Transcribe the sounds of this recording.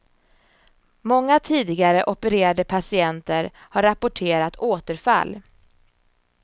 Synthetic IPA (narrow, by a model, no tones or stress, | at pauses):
mɔŋːat̪ʰiːd̪ɪɡaɾəʔɔpəɾeːɾad̪əpʰasɪɛnt̪əɾhaɾːapːʊʈʰeːɾat̪ʰoːt̪əɾfa̰lː